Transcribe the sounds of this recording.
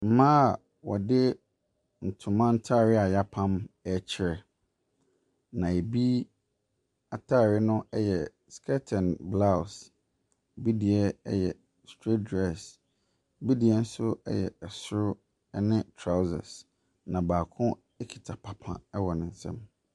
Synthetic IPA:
m̩˦mã˦a˨ | wɔ̰˨dɪ˦ | n̩˨tʰʊ̃˨mã˦n̩˦tʰa˦˨ɾɪ˦a˨ja˦pʰã˦mɛ˦t͡ɕʰɪ˨˦ɾɛ˨ | nã˨e˨bi˦ | a˨tʰa˦˨ɾɪ˦nʊ̃˦ɛ˦jɛ˨ | skʰɛ˦tʰɛ̃˨nbla˦ws | bi˦di˨ɛ˦ɛ̰˦jɛ̰˨ | stʰɾi˦t̚dɾɛ˦˨s | bi˦di˨ɛ˦n̩˦sʊ˦ɛ̰˦jɛ̰˨ɛ˨sʊ˦ɾʊ˦ | nɪ̃˦tʰɾa˦zɛ̰˨s | nã˨baː˨kʰʊ̃˦ | ɛ˦kʰi̥˨tʰa˨pʰa˨pʰã̰˨ɛ˦wɔ˨nɪ̃˨n̩˨sɛ̰̃˦m

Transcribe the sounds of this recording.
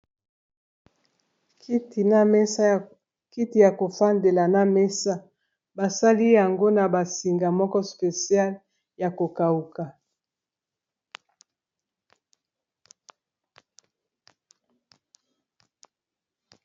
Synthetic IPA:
ki˦ti˨na˦me˦ | ki˦ti˨ja˨ko˨fa˦nde˨la˨na˦me˦sa˦ | ba˨sa˦li˦ja˨ŋɡo˦na˨ba˨si˨ŋɡa˨mɔ˦kɔ˦spe˨sja˦l | ja˨ko˨ka˨u˨ka˨

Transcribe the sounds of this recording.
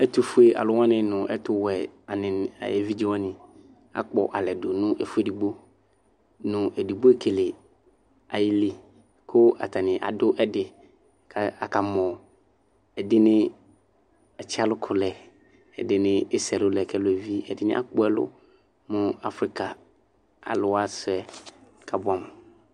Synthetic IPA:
ɛ˦tʊ˦fu˦e˦ʔa̰˨lʊ˦wã˦nɪ̃˦nʊ̃˨ʔɛ̰˦tʊ˦wɛ˨a˨nɪ̃˨na̰˨ɛ˨vi˦d͡ʒi˦wã˦nɪ̃˨ | a̰˨k͡pɔ̰˨ʔa˨lɛ˨dʊ˨nʊ̃˦ʔɛ˨fu˦e˦di˨ɡ͡bo˦ | nʊ̃˨ʔɛ˨di˨bo˦e˦kʰe˨le˨ | a˨jɪ˦lɪ˦ | kʰʊ˦a̰˨tʰa˨nɪ̃˨ʔa̰˨dʊ˦ʔɛ˦dɪ˨ | kʰa˨a˨ka˨mɔ̃˨ | ɛ˨dɪ˦nɪ̃˦ | ɛ˨t͡ɕʰɪ˦a˦lʊ˦kʰʊ˨lɛ˨ | ɛ̰˨dɪ˦nɪ̃˦ɪ˦sɛ˨lʊ˦lɛ˨kʰɛ˦lʊ˨ɛ˨vi˦ɛ̰˨dɪ˦nɪ̰̃˦ʔa̰˦k͡pɔ˦ɛ˦lʊ̰˦ | mʊ̃˦a˦fɾi˦kʰa˨ | a̰˨lʊ˦a˦sɛ˦˨ | kʰa˨bʊ˦a˨m˨

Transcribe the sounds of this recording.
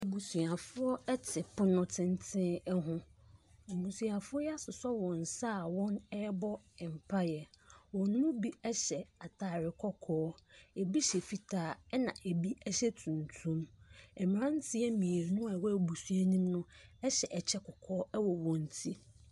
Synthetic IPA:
bu˨su˨a˨fʊ˦ɔ˦ɛ˦tʰɪ˨pʰʊ˦nʊ̃˦tʰɪ̃˦n˦tʰɪ̃˦ɛ˦ɦʊ̃˦˨ | bu˨su˨a˨fʊ˦ɔ˦jɛ˦a˦˨sʊ˨sɔ˦wɔ̃˨n˨saː˦˨wɔ̃˦nɛ˦bɔ˦ | ɛ˨m̩˨pʰa˦ja˨wɔ̃˨nː˦ʊ̃˦bi˦ɛ˦ɕɛ˨a˨tʰaː˨ɾɪ˨kʰɔ˦kʰɔː˦e˨bi˦ɕɛ˨fi˨tʰaː˨ɛ˦nã̰˨ʔe˨bi˦ɛ˦ɕɛ˦tʰũ˨ntʰũ˦mɛ˨mɪ̃˨ɾã˦n̩˦tʰɪ˦ɛ˦mĩ˨e˨ɾnʊ̃˦a˨wɔ˦˨bu˨su˦a˦nĩ˦mnʊ̃˦ɛ˦ɕɛ˨ʔɛ˨t͡ɕʰɛ˦kʰɔ˨kʰɔː˦ɛ˦wɔ˨wɔ̃˨n˨tʰi˦

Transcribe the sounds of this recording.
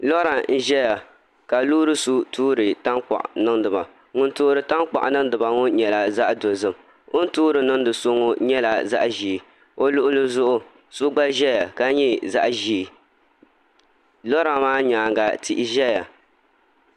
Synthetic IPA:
lɔ˦ɾa˨n̩˦ʒɛ˦ja˨ | ka˨luː˦ɾɨ˦su˦tʰuː˦ɾɨ˨ta˦ŋk͡pa̰˨ʔnɨ˦ŋdɨ˨ba˨ | ŋʊ˦ntoː˦ɾɨ˨ta˦ŋk͡pa̰˨ʔnɨ˦ŋ˦dɨ˨ba˨ŋo˦ɲɛ˨la˨za˦ʔdo˨zɨ˦m | o˦n̩˦tuː˦ɾɨ˨nɨ˦ŋdɨ˨so˦ŋo˦ɲɛ˦la˨za̰˦ʔʒi˨ | o˦lʊ˦ʔʊ˦lɨ˦zʊ˦ʔʊ˦ | su˦ɡ͡ba˦ʒɛ˦ja˨ka˦ɲɛ˦za̰˦ʔʒi˦˨ | lɔ˦ɾa˨maː˦ɲaː˨ŋɡa˨ti˦ʔɪ˦ʒɛ˦ja˨

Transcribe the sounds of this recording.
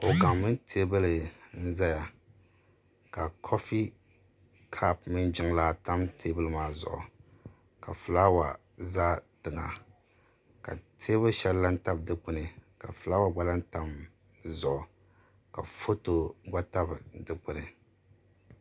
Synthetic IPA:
ko˨ka˨mːɨ˦ntʰe˦bɨ˦lɨ˨n̩˦za˦ja˨ | ka˨kʰo˦fi˦ | kʰa˦pmɨ˦nd͡ʒɪ˦ŋla˦ta˦mtʰe˦bɨ˦lɨ˨maː˦zʊ̰˨ʔʊ̰˨ | ka˨fɨ˨la˦wa˨ | za˦d̥ɨ˨ŋa̰˨ | ka̰˨tʰe˦bɨ˦ʃɛ˦lla˦n̩˦ta˦bdɨ˦k͡pʊ˦nɨ˨ka̰˨fɨ˨la˦wa˨ɡ͡ba˦la˦n̩˦ta˦m | zʊ˨ʔʊ˨ | ka̰˨fo˦to˨˦ɡ͡ba˦ta˦bdɨ˦k͡pʊ˦nɨ˨

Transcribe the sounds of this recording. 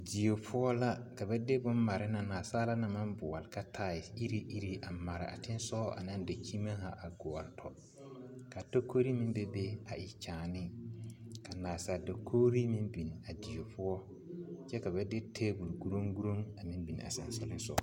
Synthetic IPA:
di˨o˨pʰʊ˦ɔ˦la˦ka˨bɛ˦de˦bʊ˦nma˨ɾɪ˦na˨naː˨saː˦la˦na˨mã˦mbʊ˨ɔ˨lɪ˨ka˦tʰaː˦˨i˦ɾi˦ʔi˦ɾi˦ʔa˨ma˨ɾɪ̰˨a̰˨tɪ˦n˦sɔ˦ʔa̰˨nã˦n˦da˨kʰi˦ma˦ha˨ʔa˨ɡɔ˨ɔ˨ɾtʰɔ̰˨ | ka˨to˦ko˦ɾi˦mĩ˦nbe˦be˦a˨ɪ˨t͡ʃaː˨nɪ˦ | ka˨naː˨saː˨do˨kʰoː˦ɾi˦mĩ˦nbi˨n˨a˨di˨o˨pʰʊ˦ɔ˦ | t͡ʃɛ˦ka˨bɛ˦de˦tʰe˦bu˨lɡu˦ɾo˦ŋɡu˦ɾo˦ŋa˨mĩ˦mbi˨n˨a̰˨sɛ̰˨nsɛ˦lɪ˦sɔ̰˦

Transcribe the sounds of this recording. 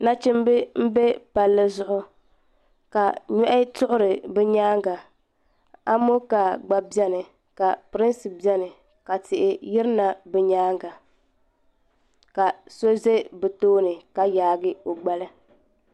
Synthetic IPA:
na˦t͡ʃɪ˦m˦bɪ˦m̩˦be˦pa˨lːɨ˦zʊ˦ʔʊ˦ | ka˨ɲɔ˦ʔɪ˦tʊ˦ʔʊ˦ɾɨ˨bɛ˦ɲaː˦ŋɡa˨ | a̰˦mo˦ka˨ɡ͡ba˨bɛ˦nɨ˨ | ka˨pɾɪ˦nsɨ˨bi˨ɛ˦nɨ˨ | ka˨tɪ˨ʔɪ˨jɪ˦ɾna˨bɛ˦ɲaː˦ŋɡa˨ | ka˨so˦ze˦bɛ˨toː˦nɨ˨ka˨jaː˨˦ɡɪ˦o˨ɡ͡ba˦lɨ˦

